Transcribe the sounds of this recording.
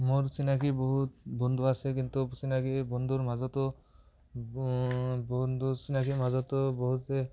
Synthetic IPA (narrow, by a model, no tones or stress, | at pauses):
moɾsinakiboɦut̪bond̪ʱuasek̬int̪usinakibɔnd̪ʱuɾmazɔt̪ɔ | bond̪usinakimazɔt̪ɔboɦut̪e